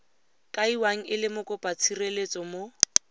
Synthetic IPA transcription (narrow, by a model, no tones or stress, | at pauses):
kʼaiwaŋ̩ɪlɪmʊkʼʊpʼat͡sʰirelet͡sʼɔmo